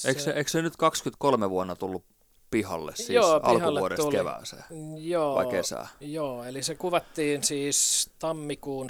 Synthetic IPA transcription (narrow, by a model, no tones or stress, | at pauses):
ʔeikseeiksenyt̪kɑkskyt̪kolmeʋuonːɑt̪ulːu | pihɑ̰lːḛssiːoːʔɑɑlkhɑulːuoɾet̪tulkeʋæ̰ːsḛːjoːʋɑ̰ˑikesæ̰ːjoːelisekuʋɑt̪ːiːnsiːst̪ɑmːikuːn